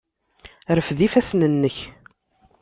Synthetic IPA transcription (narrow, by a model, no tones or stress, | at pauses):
ɾəfðifæsnənːəç